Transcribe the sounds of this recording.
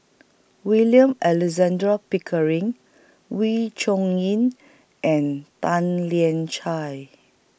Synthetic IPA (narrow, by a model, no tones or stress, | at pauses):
wiljə̃mɛlɛzãndɹapikʰəɹĩŋ | wit͡ʃɔ̃ŋĩn | ʔɛ̃ntãnliɛ̃nt͡ʃaj